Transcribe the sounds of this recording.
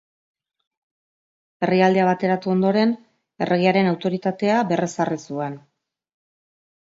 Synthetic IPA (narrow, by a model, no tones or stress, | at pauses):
e̞riald̪eaβ̞at̪e̞ɾat̪uo̞nd̪o̞ɾe̞n | e̞̰reɣiaɾe̞nawt̪o̞ɾit̪at̪e̞abe̞resarisuen